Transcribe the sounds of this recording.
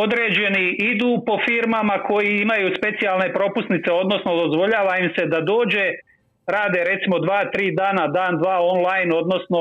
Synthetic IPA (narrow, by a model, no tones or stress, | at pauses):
o̞d̪ɾeːd͡ʑe̞niid̪uːpo̞fiːɾmamakʰo̞jiimajuːspe̞t̪sijalˠne̞pɾo̞pusnit̪se̞o̞d̪no̞sno̞d̪ozʋo̞ʎaːʋaimse̞d̪ad̪o̞ːd͡ʑe̞ | ɾaːd̪eɾe̞t̪simo̞d̪ʋaːt̪ɾiːd̪aːnad̪aːnd̪ʋaːo̞nlˠajno̞d̪no̞sno̞